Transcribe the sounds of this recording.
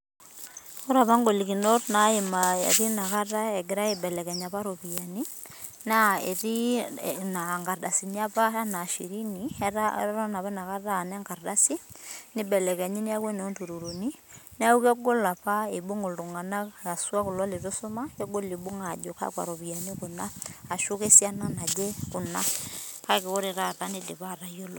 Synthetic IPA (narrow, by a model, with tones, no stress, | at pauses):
ko˦ɾa˨pa˦ŋɡo˨li˨ki˨no˦tna˨˦ɪ˨ma˨ḛ˨ɾi˦na˨ka˦ta˦ɛ˨ɡɪ˨ɾa˦e˨bɛ˨lɛ˨kɛ˨ɲa˨pa˦ɾo˨pi˨a˨ni˦ | na˦ḛ˨ɾi˦na˨ŋɡa˨rda˨si˨ni˦a˦pa˦a˦na˨ʃi˨ɾi˦ni˨a˦ɾɔ˦na˨pa˦na˨ka˦ta˦˨nɛ˦ŋɡa˨rda˦si˦nɪ˦bɛ˨lɛ˨ka˨ɲi˦ni˦a˦kɛ˦n˨ɔ˦ntu˨ɾu˨ɾo˨ni˦n˦a˦u˦kɛ˦ɡo˦la˨pa˦e˨bu˦ŋo˨ldʊ˨ŋa˨na˦a˨swa˦kʊ˨lɔ˦le˨ɾo˦sʊ˦ma˦kɛ˦ɡo˦li˨bu˦ŋa˨d͡ʒo˨ka̰˦kwa̰˨ɾo˨bi˨a˨ni˦kʊ˨naː˦˨ʃu˦ke˦si˦a˦na˦na˨d͡ʒe˦kʊ˨na˦ka˦kɪ˨ko˦ɾe˨ɾa˦ta˦nɪ˦dɪ˨βa˦˨ɾa˨jo˦lo˨